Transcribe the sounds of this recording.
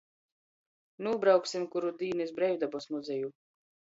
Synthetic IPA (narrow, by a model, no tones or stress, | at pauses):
nuːbɾawksimkuɾud̪iːnis̬bɾɛjd̪abɔsmuzʲɛju